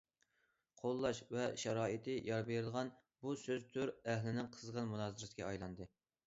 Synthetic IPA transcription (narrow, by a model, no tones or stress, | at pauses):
qʰolˠːɑʃvɛʃɛɾɑːit̪ʰɪjɑɾbeɾɨlˠʁɑn | busøzt̪ʰyɾæhlɪnɪŋqʰəzʁɑnmunɑːzɨɾɪskʲɛɑjlˠɑnd̪ɨ